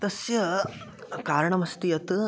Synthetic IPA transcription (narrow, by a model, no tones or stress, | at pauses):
t̪ɐsjɐ | kaːɾɳɐmɐst̪ijɐt̪ɨ